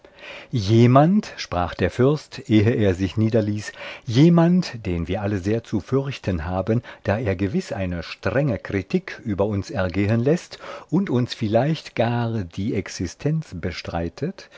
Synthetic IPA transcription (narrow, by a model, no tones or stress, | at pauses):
jeːmantʃpʁ̥aːχd̥eːɐfʏɐstʔeːəʔeːɐzɪçniːdɐliːsjeːmantd̥eːnviːɐʔaləzeːɐt͡sufʏʁçtʰənɦaːbənd̥aːeːɐɡəvɪsʔa̰ɪnəʃtʁ̥ɛŋəkʁ̥itʰiːkʰʔyːbɐʊnsɛɐɡeːənlɛstʔʊntʊnsfɪlaɪçtɡ̥aːʁd̥iːʔɛksɪstʰɛnt͡sb̥əʃtʁ̥a̰ɪtʰət